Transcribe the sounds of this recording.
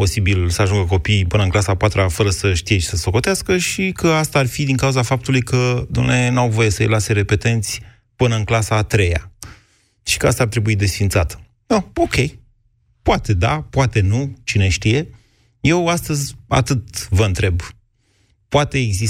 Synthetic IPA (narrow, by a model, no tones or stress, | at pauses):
po̞sibilsəaʒuŋɡək̬o̞pijpɨnəɨnŋklasapat̪ɾafəɾəsəʃt̪ijet͡ʃe̥səso̞ko̞t̪easkəʃikʰəast̪aːrfid̪iŋkauzafap̚t̪ulujkʰəd̪umnenawvo̞je̞səj̰lase̞ɾe̞pe̞t̪e̞nt̪sʲ | pɨnəɨŋklasaːt̪ɾe̞ja̰ | ʃi̥kəast̪aːrt̪ɾe̞buid̪e̞sfint̪sat̪ə̥ | noo̞kʲe̞j | poat̪e̞d̪a̰poat̪e̞nut͡ʃine̞ʃt̪ije̞ | je̞wast̪əzʲa̰t̪ɨt̪vəɨnt̪ɾe̞b | poat̪e̞ːɡzi